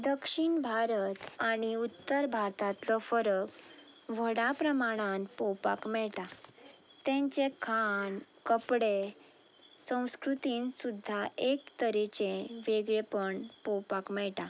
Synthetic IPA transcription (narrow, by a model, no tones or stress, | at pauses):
d̪əkʂiɳbʱaɾət̪aɽ̃iut̪ːəɾbʱaɾt̪at̪lɔfəɾəkʋʱəɽapɾəmaɽ̃ãnpɔwpakmɛɭʈa | t̪ẽɲt͡ɕekʰankəpɽe | sə̃w̃skɾut̪iːnsud̪ʱːaekt̪əɾet͡ɕẽʋeɡɭepəɳpɔwpakmɛɭʈa